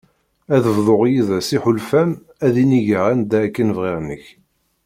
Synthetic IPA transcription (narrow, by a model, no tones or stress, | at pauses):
æðəvðˤoʁjiðæsiħʊlfæm | æðiniʝəʁænd̪ækːənvʁiɾnəç